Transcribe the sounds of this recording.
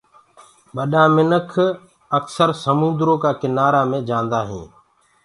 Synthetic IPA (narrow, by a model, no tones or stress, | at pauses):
ɓəɗaːmɪnəkʰ | əksəɾsəmũnd̪ɾoːkaːkɪnaːɾaːmẽːd͡ʒãːnd̪aːɦḭ̃ː